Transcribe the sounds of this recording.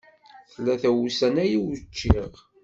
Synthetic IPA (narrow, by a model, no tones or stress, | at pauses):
θəlːæθæwusænæjiwt͡ʃːiʁ